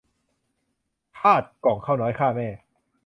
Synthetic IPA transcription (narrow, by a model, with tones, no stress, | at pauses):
pʰaː˥˩t̪̚kɔː˨˩˦ŋkʰaː˥˩wnɔː˦˥jkʰaː˥˩mɛː˥˩